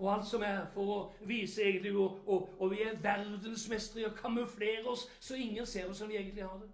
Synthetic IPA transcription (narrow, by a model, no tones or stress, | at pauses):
ɔɑlt̪sɔmæfɔɾɔ | ʋiːsəeːɡənt̪lɪʊɔɔʋɪæʋæɾd̪ənsmɛst̪əɾɪɔkʰɑmʉfleːɾəɔsːɔɪŋːənseːɾɔsɔmʋɪeːɡənt̪lɪhɑɾd̪ɛ